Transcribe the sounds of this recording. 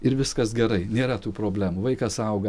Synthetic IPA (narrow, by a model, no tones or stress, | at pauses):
ɪɾʋʲɪskɐsɡʲɛɾɐɪnʲeːɾɐt̪uːpɾoːbʲlʲæːmuːʋɐɪkɐsɐʊɡɐ